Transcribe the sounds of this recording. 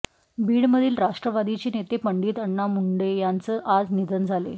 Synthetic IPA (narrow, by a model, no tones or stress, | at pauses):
biːɽməd̪ʱiːlɾaʂʈɾəʋad̪it͡ɕeːnet̪epəɳɖiːt̪əɳːamuɳɖejant͡səːʔad͡znid̪ʱənd͡zʱalḛ